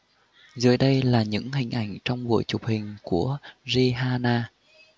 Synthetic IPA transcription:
zɨ̰˧˩əjɗə˧jlaː˨˩ɲɨ̰˧˥ŋhï˨˩ŋ̟ʔa˧˩jŋ̟t͡ɕɔ˧wŋ͡mɓṵ˧˨jt͡ɕʊ˨˩k͡p̚hï˨˩ŋ̟ku˧˩əzi˧ɦaː˧naː˧

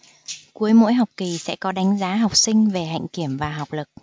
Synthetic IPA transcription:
ku˨˦əjmo̰˧˥jɦa˨˩wk͡p̚ki˨˩sɛ̰˧˥kɔ˨˦ɗa˨˦ŋ̟zaː˨˦ɦa˨˩wk͡p̚sï˧ŋ̟ve˨˩ɦa̰˧˨jŋ̟ki˧˩əmvaː˨˩ɦa˨˩wk͡p̚lɨ˨˩k̚

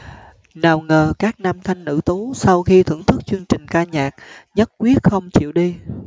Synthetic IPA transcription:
naː˨˩wŋəː˨˩kaː˦˥k̚naː˧mt̪ʰa˧jŋ̟nɨ̰˧˥t̪u˨˦sa˧wxi˧t̪ʰɨ̰˧˩əŋt̪ʰɨ˦˥k̚t͡ɕwɨ˧əŋt͡ɕï˨˩ŋ̟kaː˧ɲaː˨˩k̚ɲə˦˥t̚kwi˦˥ət̚xə˧wŋ͡mt͡ɕḭ˧˨əwɗi˧

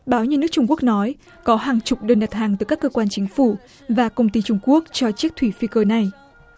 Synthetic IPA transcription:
ɓaː˨˦wɲɨ˧nɨ˦˥ək̚t͡ɕʊ˧ŋ͡mku˦˥ək̚nɔ˨˦j | kɔ˨˦ɦaː˨˩ŋt͡ɕʊ˨˩k͡p̚ɗəː˧nɗa˨˩t̚haː˨˩ŋt̪ɨ˧˩kaː˦˥kːəː˧kwaː˧nt͡ɕï˨˦ŋ̟fu˧˩ | vaː˨˩kə˧wŋ͡mt̪i˧t͡ɕʊ˧ŋ͡mku˦˥ək̚t͡ɕɔ˧t͡ɕi˦˥ək̚t̪ʰwi˧˩fi˧kəː˧na˨˩j

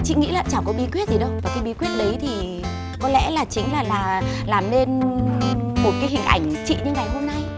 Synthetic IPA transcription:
t͡ɕḭ˧˨ŋḭ˧˥laː˨˩t͡ɕaː˧˩wkɔ˨˦ɓi˨˦kwi˦˥t̚zi˨˩ɗə˨˧˦wvaː˨˩kaː˨˦jɓi˨˦kwi˦˥ət̚ɗə˨˦jt̪ʰi˨˩ | kɔ˨˦lɛ̰˧˥laː˨˩t͡ɕï˨˦ŋ̟laː˨˩laː˨˩laː˨˩mne˧n | mo˨˩t̚kaː˨˦jɦï˨˩ŋ̟ʔa̰˧˩jŋ̟t͡ɕḭ˧˨ɲə˧ŋa˨˩jɦo˧mna˧j

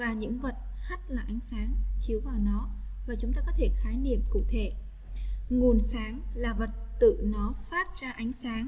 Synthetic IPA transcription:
vaː˨˩ɲɨ̰˧˥ŋvə˨˩t̚ha˦˥t̚laː˨˩ʔa˨˦jŋ̟saː˨˦ŋt͡ɕi˨˦əwvaː˨˩wnɔ˨˦ | vaː˨˩t͡ɕʊ˨˦ŋ͡mt̪aː˧kɔ˨˦t̪ʰe˧˩xaː˨˦jnḭ˧˨əmkṵ˧˩˨t̪ʰe˧˩˨ | ŋu˨˩ənsaː˨˦ŋlaː˨˩və˨˩t̚t̪ɨ̰˧˨nɔ˨˦faː˦˥t̚zaː˧ʔa˨˦jŋ̟saː˨˦ŋ

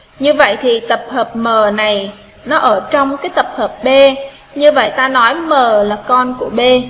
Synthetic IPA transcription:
ɲɨ˧və̰˧˨jt̪ʰi˨˩t̪ə˨˩p̚həː˨˩p̚məː˨˩na˨˩j | nɔ˨˦ʔəː˧˩t͡ɕɔ˧wŋ͡mkaː˨˦jt̪ə˨˩p̚həː˨˩p̚ɓe˧ | ɲɨ˧və̰˧˨jt̪aː˧nɔ˨˦jməː˨˩laː˨˩kɔ˧nku˧˩əɓe˧

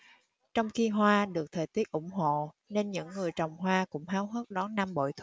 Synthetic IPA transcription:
t͡ɕɔ˧wŋ͡mxi˧ɦwaː˧ɗɨ˨˩ək̚t̪ʰəː˨˩jt̪i˦˥ət̚ʔʊ̰˧˩ŋ͡mɦo̰˧˨ | ne˧nɲɨ̰˧˥ŋːɨ˨˩əjt͡ɕə˨˩wŋ͡mɦwaː˧kʊ̰˧˥ŋ͡mɦaː˨˦wɦəː˦˥t̚ɗɔ˨˦nna˧mɓo̰˧˨jt̪ʰ

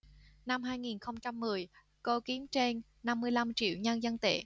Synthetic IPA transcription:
na˧mɦaː˧jŋi˨˩nxə˧wŋ͡mt͡ɕa˧mːɨ˨˩əj | ko˧ki˨˦əmt͡ɕe˧nːa˧mːɨ˧əjla˧mt͡ɕḭ˧˨əwɲə˧nzə˧nt̪ḛ˧˩˨

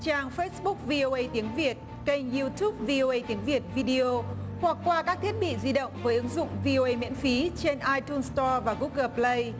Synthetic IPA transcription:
t͡ɕaː˨˩ŋfə˦˥sɓʊ˦˥k̚vi˧ʔo˧ʔə˧jt̪i˨˦əŋvi˨˩ət̚ | kə˧˩jŋ̟ju˧t̪ʰu˦˥p̚vi˧ʔo˧ʔə˧jt̪i˨˦əŋvi˨˩ət̚vi˧ɗi˧o˧hwa˨˩k̚ːwaː˧kaː˦˥k̚t̪ʰi˦˥ət̚ɓḭ˧˨zi˧ɗə̰˧˨wŋ͡mvəː˨˦jʔɨ˨˦ŋzʊ̰˧˨ŋ͡mvi˧ʔo˧ʔə˧jmḭ˧˥ənfi˨˦t͡ɕe˧nʔaː˧jt̪u˧nst̪ɔ˧vaː˨˩ɣu˦˥k̚ɣəː˧˩plə˧j

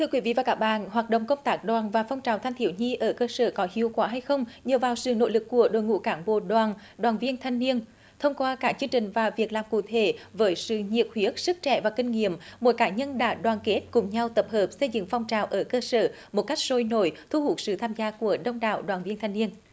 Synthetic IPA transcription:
t̪ʰɨ˧əkwi˨˦vḭ˧˨vaː˨˩kaː˦˥k̚ɓa̰ː˧˨nɦwaː˨˩t̚ɗə̰˧˨wŋ͡mkə˧wŋ͡mt̪aː˦˥k̚ɗwaː˨˩nvaː˨˩fa˧wŋ͡mt͡ɕaː˨˩wt̪ʰa˧ŋ̟t̪i˧˩əwɲi˧ʔəː˧˩kəː˧səː˧˩kɔ˨˦hi˨˦əwkwaː˨˦ɦa˧jxə˧wŋ͡mɲəː˨˩vaː˨˩wsɨ̰˧˨no̰˧˥jlɨ˨˩kːu˧˩əɗo̰˧˨jŋṵ˧˥kaː˧˩nɓo̰˧˨ɗwaː˨˩n | ɗwaː˨˩nvi˧ənt̪ʰa˧jŋ̟ni˧ən | t̪ʰə˧wŋ͡mkwaː˧kaː˦˥k̚t͡ɕɨ˧əŋt͡ɕï˨˩ŋ̟vaː˨˩vi˨˩ək̚laː˨˩mkṵ˧˨t̪ʰe˧˩˦vəː˨˦jsɨ̰˧˨ɲḭ˨əp̚hwi˨˦ək̚sɨ˦˥k̚t͡ɕɛ̰˧˩vaː˨˩kï˧ŋ̟ŋḭ˧˨əmmo˧˩jkaː˧˩ɲə˧nɗa̰ː˧˥ɗwaː˨˩nke˦˥t̚kʊ˨˩ŋ͡mɲa˧wt̪ə˨˩p̚həː˨˩p̚sə˧jzɨ̰˧˨ŋfa˧wŋ͡mt͡ɕaː˨˩wʔəː˧˩kəː˧səː˧˩ | mo˨˩t̚ka˦˥jk̟̚so˧jno˧˩jt̪ʰu˧hu˨˩ək̚sɨ̰˧˨t̪ʰaː˧mzaː˧ku˧˩əɗə˧wŋ͡mɗa̰ː˧˨wɗwaː˨˩nvi˧ənt̪ʰa˧jŋni˧ən

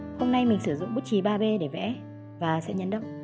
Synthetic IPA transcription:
ho˧mna˧jmï˨˩ŋ̟sɨ˧˩zʊ̰˧˨ŋ͡mɓu˦˥t̚t͡ɕi˨˦ɓaː˧ɓe˧ɗe˧˩vɛ̰˧˥ | vaː˨˩sɛ̰˧˥ɲə̰˧˥nɗə̰˧˨wŋ͡m

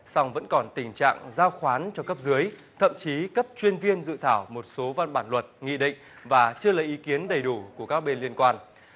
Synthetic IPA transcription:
sa˧wŋ͡mvə̰˧˥nkɔ˨˩nt̪ï˨˩ŋ̟t͡ɕa̰ː˧˨ŋzaː˧wxwaː˨˦nt͡ɕɔ˧kə˦˥p̚zɨ˨˦əj | t̪ʰə̰˧˨mt͡ɕi˨˦kə˦˥p̚t͡ɕwi˧ənvi˧ənzɨ̰˧˨t̪ʰaː˧˩wmo˨˩t̚so˨˦va˧nɓaː˧˩nlwə˨˩t̚ŋḭ˧˨ɗḭ˧˨ŋ̟ | vaː˨˩t͡ɕɨ˧əlaː˨˩ʔi˨˦ki˨˦ənɗə˨˩jɗu˧˩ku˧˩əkaː˦˥k̚ɓe˧nli˧ənkwaː˧n

